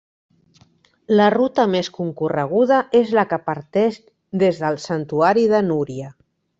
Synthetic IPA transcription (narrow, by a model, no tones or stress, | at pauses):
lərut̪əmeskuŋkurəɣ̞uð̞əʔezlakəpəɾt̪ɛʃ | d̪ezðəlˠsənt̪uaɾiðənuɾjə